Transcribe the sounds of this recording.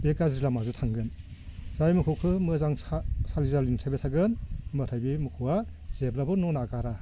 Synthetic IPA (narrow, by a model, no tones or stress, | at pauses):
bekazɾilamazɯtʰaŋɡɯnzajmɯkʰɯwkʰɯmɯzaŋsalizalinsʰabetʰaɡɯnmɯtʰajbimɯkʰuwa | z̥eblabɯnɔnakaɾa